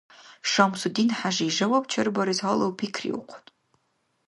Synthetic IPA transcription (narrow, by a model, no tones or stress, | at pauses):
ʂamsudiːnħaʒiːʒɐwɐpʼt͡ʃʰɐrbɐɾizalɐwpʰikʰrḭwqʷʰ